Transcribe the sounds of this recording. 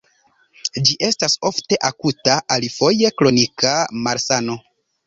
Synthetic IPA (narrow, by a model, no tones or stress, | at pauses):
d͡ʒiʔe̞staso̞fte̞ʔakutaʔalifo̞je̞klo̞nikamaɾsano̞